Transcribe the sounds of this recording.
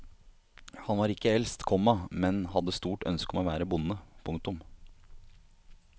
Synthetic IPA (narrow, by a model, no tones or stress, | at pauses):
hɑnʋɑːɾɪkːəɛlst̪kʰɔmːɑmɛnhɑd̪ːəst̪uːʈœ̰nskɔmoːʋæːɾəbʊnːəpʰʊŋkt̪ʊm